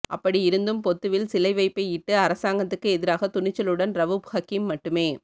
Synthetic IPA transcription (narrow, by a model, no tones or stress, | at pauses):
ʔɐ̰pːɐɽiɪɾɯnd̪ɯmpɔt̪ːɯʋɪlsɪlɐɪʋɐɪpːɐɪɪʈːɯɐɾɐsaːŋɡɐt̪ːɯkːɯɛðɪɾaːɣɐt̪ʊnɪt͡ʃːɐlɯɽɐnɾɐʋɯbhɐkimːɐʈːɯmeː